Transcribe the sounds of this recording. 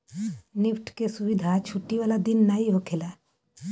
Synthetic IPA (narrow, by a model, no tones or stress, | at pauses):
nɪpʈʰkesʊʋɪd̪ʱat͡ʃʰʊʈːiʋaːlad̪ɪnːaɦiɦokʰela